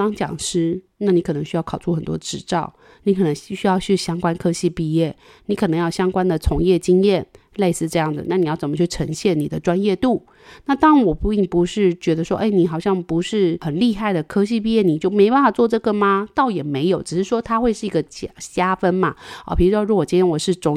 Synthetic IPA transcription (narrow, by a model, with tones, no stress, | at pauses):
t̪ɑ˥ŋt͡ɕjɑ̰˨˩ŋʂɻ̩˥na˥˩ni˧˥kʰɤ˨˩nɤ˧˦ŋɕy˥jɑ˥˩ʊkʰɑ˨˩ʊʈ͡ʂʰu˥˩xə˨˩nt̪wɔ̰˥ʈ͡ʂɻ̩˧˩ʈ͡ʂɑ˥˩ʊ | ni˧˥kʰɤ˨˩nə˧˦ŋ˥˩ɕy˥jɑ˥˧ʊt͡ɕʰy˥˩ɕjɑ˥ŋkwa˥nkʰɤ˥ɕi˥˧pi˥˧jɛ˥˩ | ni˧˥kʰɤ˨˩nɤ˧˥ŋjɑ˥˩ʊɕjɑ˥ŋkwa˥nd̪ə˨t͡sʰʊ˧˥ŋjɛ˥˩t͡ɕi˥ŋjɛ˥˩nle˥˧ɪsɹ̩˥˧ʈ͡ʂɤ˥˧jɑ˥˩ŋd͡z̩˨˩na˥˩ni˨jɑ˥˩ʊt͡sə˨˩mə˦t͡ɕʰy˥˩ʈ͡ʂʰə˧˥ŋɕjɛ˥˩nːi˨˩d̪ə˦ʈ͡ʂwa˥njɛ˥˧t̪u˥˩ | na˥˧t̪ɑ˥ŋwɔ˨˩pu˧i˥˩ŋpu˧˥ʂɻ̩˥˩t͡ɕɥɛ˧˥d̪ə˧ʂwɔ˦ʔe˥˩ɪni˨˩˥xɑ˨˩ʊɕjɑ˥˩ŋpu˧˥ʂɻ̩˥˩xə˨˩nli˥˧xa˥˩ɪd̪ə˩kʰɤ˥ɕ̬i˥˧p̬i˥˧jɛ˥˩ni˨˩t͡ɕjo˥˩ʊme˧˥ɪpa˥˧nfa˨˩t͡swɔ˥˧ʈ͡ʂɤ˥˩ɡə˨˩mɐ˩t̪ɑ˥˩ʊjɛ˨˩me˧˥ɪjo˨˦ʊʈ͡ʂɻ̩˨˩ʂɻ̩˥˩ʂwɔ˥t̪ʰa˥xwe˥˧ɪʂɻ̩˥˩i˧˥ɡə˧t͡ɕɕja˥fə˥nmɐ˨ɔ̰˨˩pʰi˧˩ɻ̩u˥ʂwɔ˥˧ɻu˥˩wɔ˨˩t͡ɕi˥jɛ˥nwɔ˨˩ʂɻ̩˥˩ʈ͡ʂʊ˧˥ŋ